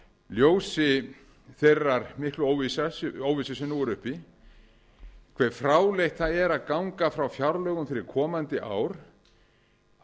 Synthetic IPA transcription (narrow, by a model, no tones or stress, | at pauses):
ljoːwsɪ | θerːaɾmɪhklʏoːwvisasowvisasɛnuɣʏɾʏhpi | kʰvɛɾ̥fɾaːwlejht̪θaðɛɾaðkawŋkafɾawfjawɾlœɣʏmfɪɾɪɾ̥kʰɔːmant̪ɪʔa̰ːwɾ